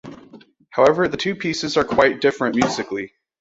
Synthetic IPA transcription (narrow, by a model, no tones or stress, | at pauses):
haʊɛvə˞ðɨtʰʉpʰisɨzə˞kʰw̥aɪt̚d̥ɪfɹɨ̃nmjʉzɨkli